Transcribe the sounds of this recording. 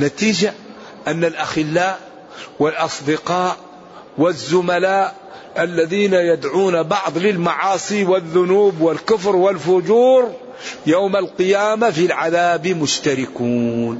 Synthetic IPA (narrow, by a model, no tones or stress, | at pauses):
nat̪iːd͡ʒa | ʔanːalʔaxɪlːaːʔ | wɪlʔɑsˤd̪ɪqɑːʔ | wɪzːʊmalaːʔ | ʔalːaðiːnajad̪ʕuːnabɑʕðˤlɪlmɑʕɑːsˤiwɪðːʊnuːbwɪlkʊfɾwɪlfʊd͡ʒuːɾ | jawmalqɨjaːmafilʕaðaːbmʊʃt̪aɾɪkuːn